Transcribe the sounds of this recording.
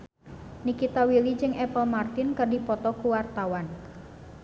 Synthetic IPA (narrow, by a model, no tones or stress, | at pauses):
nikit̪awilid͡ʒɨŋʔɛpəlmart̪ɪnkərdipɔt̪ɔkuwart̪awan